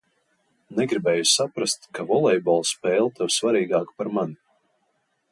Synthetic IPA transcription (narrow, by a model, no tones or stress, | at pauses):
nɛɡɾibɛːjusapɾast̪kavɔlˠɛjbɔlˠspɛːlˠt̪ɛwsvaɾiːɡaːkpaɾmani